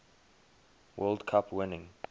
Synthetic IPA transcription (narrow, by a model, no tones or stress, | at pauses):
wʔɜldkʰapʰwɪnɪ̃ŋ